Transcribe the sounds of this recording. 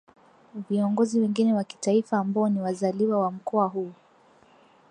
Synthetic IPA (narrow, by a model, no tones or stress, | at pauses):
viɔŋɡɔziwɛŋɡinɛwaki̥taifaːmbaɔniwazaliwawam̩kɔaɦuː